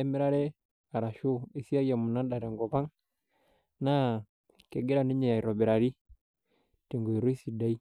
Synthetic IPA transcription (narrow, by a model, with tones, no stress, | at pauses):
ɛ˦mɛ˦ɾa˦ɾɛ˦ | a˨ɾa˨ʃo˦i˨si˦a˦ja˨mu˨na˦da˨ɾɛ˨ŋɡɔ˨βa˦ŋ | na˦ | kɛ˨ɡe˦ɾa˨ni˦ɲɛ˨ja˨i˨ɾɔ˨bɛ˨ɾa˨ɾi˦ | te˨ŋɡo˨i˨ɾo˦i˦si˨da˦i˦